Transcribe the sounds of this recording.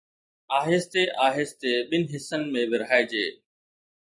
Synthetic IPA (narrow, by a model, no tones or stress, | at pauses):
aːɦɪst̪eʔaːɦest̪eːɓɪnɦɪsənɪ̆mẽbɪɾɦaːed͡ʑeː